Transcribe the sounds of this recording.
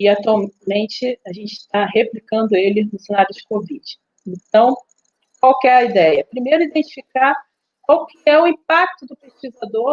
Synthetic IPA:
ɪat̪uawmmẽnt͡ʃɪaʒẽnt͡ʃɪ̥t̪aɦeplikɐ̃nd̪ʊelɪnʊsenaɾjʊd͡ʒɪkovid͡ʒɪ | ẽnt̪ɐ̃w̃ | kwawkɪɛɾɐid̪ɛjɐpɾimejɾʊid̪ẽnt͡ʃi̥fikaɾ | kwawkɪɛʊĩpak̚t̪ʊd̪ʊpeskizad̪oɾ

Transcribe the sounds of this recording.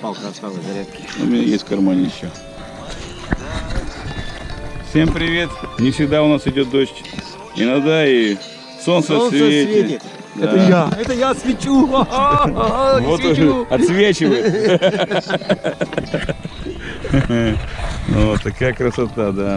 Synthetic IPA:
palˠksaɡɐɾʲat̪kʲɪʊ̰mʲɪnʲajesʲtʲkɐrmanʲɪɕːo | fsʲe̞mpɾʲɪvʲe̞t̪nʲɪfsʲɪɡd̪aʊnasɪdʲot̪̚d̪oɕtʲ | ɪnɐɡd̪ai | so̞nsəsvʲevʲɪɪ | d̪ɛaəjaɛt̪əjat̪svʲɪt͡ɕu | vot̪ɐt̪svʲet͡ɕɪvəj̪ | nvot̪ːɐkajəkɾəsɐt̪ad̪a

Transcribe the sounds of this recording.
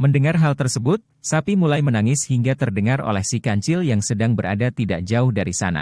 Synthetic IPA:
məndəŋarɦalt̪ərsəbʊt̪̚ | sapimulajmənaŋɪshiŋɡat̪ərdəŋaro̰lɛhsikaɲt͡ʃɪljaŋsədaŋbəɾa̰dat̪ida̰ʔd͡ʒaʊhdaɾisa̰na̰

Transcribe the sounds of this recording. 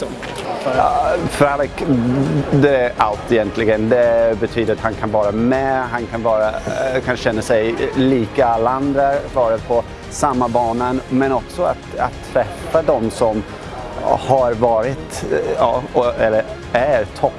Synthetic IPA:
fɾad̪k | d̪ɛæalt̪ːɛjɛnt̪ʰlɪɡənd̪ɛbɛt̪ʰyːd̪əɾat̪hankʰanvɑːɾamɛɦankʰanvɑːɾakʰanɕɛnːasɛjliːkaalːaand̪ɾavɑːɾəpʰɔ | samːabɑːnanmɛnɔksɔa̰t̪a̰t̪ʰːɾɛfːad̪ɔmsɔm | haɾvɑːɾɪt̪ɑ̰ːɔɛlːəɾ | æɾt̪ʰɔ

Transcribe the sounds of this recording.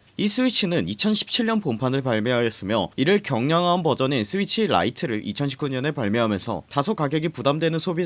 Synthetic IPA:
is͈ʰɯit͡ɕʰinɯnit͡ɕʰʌnɕʰi̥p̚t͡ɕʰiɭɲʌnpompʰanɯɭpaɭmjeɦaɡes͈ɯmjʌ̰iɾɯɭkjʌŋɲʌŋɦanpʌd͡ʑʌnensʰɯit͡ɕʰiɾa̰itʰɯɾɯɭʔit͡ɕʰʌnɕʰi̥pk͈uɲʌne̞paɭmjeɦamjʌnsʰʌ̰tasʰokaɡjʌɡipudamdwe̞nɯnsʰobi

